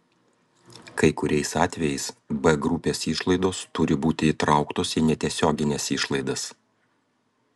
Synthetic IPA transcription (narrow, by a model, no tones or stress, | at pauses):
kɐɪkʊɾʲɛɪsɑːt̪ʲʋʲɛjɛɪsbɛɡɾʊpʲeːsiːˑʃlˠɐɪd̪oːst̪ʊɾʲɪbuːt̪ʲɪiːt̪ɾɑˑʊkt̪oːsinʲɛt̪ʲiɛsʲoːɡʲɪnʲɛsiːʃlˠɐɪd̪ɐs